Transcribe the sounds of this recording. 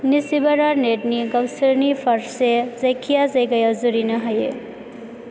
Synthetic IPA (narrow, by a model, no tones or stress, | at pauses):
nisibɐɾaɾneʈniɡɐbsəɾnifʰɐɾsezɐjkʰijazajɡɐjazuɾinɐɦɐje